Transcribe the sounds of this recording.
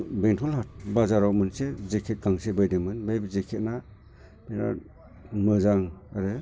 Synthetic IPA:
beŋtʰɔlhat̚bazaɾawmɯnsezekʰet̚ɡaŋsebɯjdemɯnbajbizekʰet̚na | meɾa̰ | mɯzaŋaɾɯ

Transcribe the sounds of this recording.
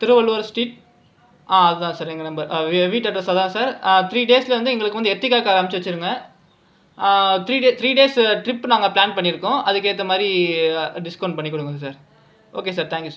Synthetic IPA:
t̪ɪɾɯʋɐlʋɐɾsʈiːʈ̚ | aːɐðɯt̪ãːsaːɾɛŋɡɐnɐmbɐɾʋiːʈːɐʈːɐsɐd̪ãːsaːɾt̪ʰɾiːɖeːslɐʋɐnd̪ɯɛŋɡɐɭɯkːʋɐnd̪ɛt̪ːɾɪkːaːkaːɾɐɐmɪt͡ʃːɐʋɐt͡ʃːɯɾɯŋɡɐ | t̪ɾiːɖeːt̪ɾiːɖeːsʈɾɪpːnaːŋɡɐplaːnpɐɳːɪɾɯkːʊ̃ʔɐðɯkːeːt̪ːɐmaːd̪ɾiɖɪskɐʊɳɖ̚pɐɳːikːɔɽɯŋɡɐðɯs̬aːɾ | oːkeːs̬aːɾt̪ʰãːŋkjusa

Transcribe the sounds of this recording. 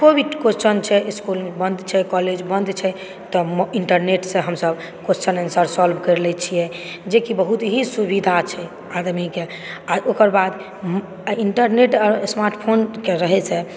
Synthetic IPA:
kobiɖkot͡ʃənt͡ʃʰɛiskulbənd̪t͡ʃʰɛkɔled͡ʒbənd̪t͡ʃʰɛ | t̪ɔmiɳʈəɾneʈsẽɦəmsəb | kot͡ʃənənsəɾsɔlbʱkəɾlɛt͡ʃʰijɛd͡ʒekibəɦut̪ɦĩsubid̪ʱat͡ʃʰɛ | ad̪mike | aʔokəɾbad̪ | iɳʈəɾneʈɔɾsmaɾʈpʰonkeɾəɦɛt͡ʃʰɛ

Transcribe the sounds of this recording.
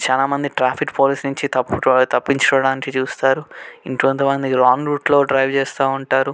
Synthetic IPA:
t͡ʃaːlaːmɐnd̪iʈɾaːpʰikpoːlisnuɲt͡ʃit̪ɐpːut̪ɐpːiɲt͡ʃɐ̥kɔʋɐɽaːnikit͡ʃuːst̪aːɾuiɳʈiʋɐnt̪ɐmɐnd̪iɾaːnɾuːʈlo̞ːɖɾɐjʋt͡ʃɛːst̪aːuɳʈaːɾu

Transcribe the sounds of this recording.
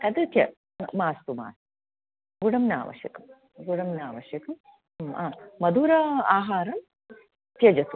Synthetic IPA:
ɐd̪it̪jɐ | maːst̪uma̰ːs | ɡuɽɐmna̰ːʋɐ̰ʃjɐkɐm | ɡuɽɐmnaːʋɐʃjɐkɐm | aːmɐd̪uːɾɐaːɦaːɾɐm | t̪jɐd͡ʒɐt̪u

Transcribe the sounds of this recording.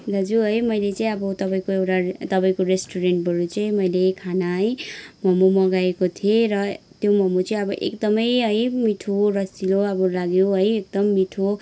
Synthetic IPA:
d̪ʱʌd͡zuɦʌjmʌjlet͡saĩʌbʌt̪ʌpaĩkoewʈat̪ʌpaĩkoɾesʈuɾeɳʈ̚bʱʌɾut͡saĩmʌjlekʰanaɦʌjmʌmumʌɡaekot̪ʰieɾʌt̪jomʌmot͡saĩʌbʌʔḛkd̪ʌmʌjɦʌjmiʈʰorʌsiloʌbʌlaɡjoɦʌjek̚d̪ʌmːiʈʰo

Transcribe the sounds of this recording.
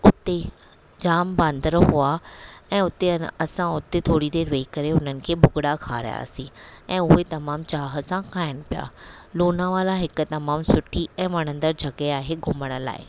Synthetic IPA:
ʊt̪e | d͡ʑaːmbãːnd̪ʱəɾɦʊaɛ̃ːʊt̪eɐsãʊt̪et̪ʰoːɽid̪eːɾʋeikɐɾeʊnənɪ̆kʰeːbʱʊɡɽakʰa̰ːɾja̰ːsĩɛ̃ːʊɦet̪ɐmaːmt͡ɕaːɦəsãkʰaːɪɽ̃ɪ̆pija̰ːloːnaʋaːlaɦɪkʊ̆t̪ɐmaːmsʊʈʰiɛ̃ːʋɐɽ̤̃ə̃nd̪əɾd͡ʑʱɐɡeaːɦeɡʱʊməɽ̃ə̆la̰ːɪ

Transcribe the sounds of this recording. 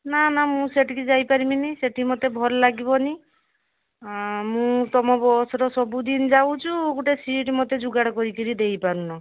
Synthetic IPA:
nanamũseʈʰikid͡ʒajpaɾiminiseʈʰimɔt̪ebʱɔɾlaɡibɔni | mũt̪ɔmɔbɔsɾɔsɔbud̪ind͡ʒaw̃t͡ʃʰuɡuʈesiʈmɔt̪ed͡ʒuɡaɽɔkɔɾikiɾid̪ejpaɾũnɔ

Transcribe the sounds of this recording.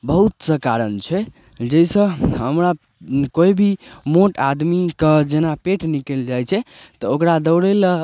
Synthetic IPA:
bəɦut̪səkaɾənt͡ʃʰɛ | d͡ʒəjsə̃ɦəmɾa | koibʱimoʈad̪mikəd͡ʒenapeʈnikeld͡ʒajt͡ʃʰɛ | t̪ɔokɾad̪əwɽel

